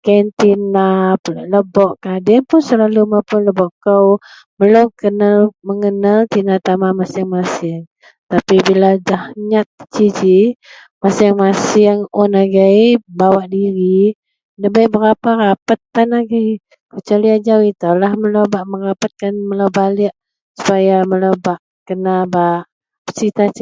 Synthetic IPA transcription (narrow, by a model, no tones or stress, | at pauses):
kant̪inapəlʔləbɔʔkadɛpʊnsəlalumapʊnləbɔʔkəw | məlokənaməŋənalt̪inat̪amamasɪŋmasɪŋ | t̪apibiladahɲat̪̚t͡ʃid͡ʒi | masɪŋmasɪŋɔnaɡajbawaʔdiɾi | ləbajbəɾapaɾapat̪̚ːanaɡaj | kət͡ʃaliad͡ʒawit̪alahməlowbaʔməɾapat̪̚kanməlawbalɪʔ | su̥pajamələwbaʔ | kənabaʔ | sit̪at͡ʃ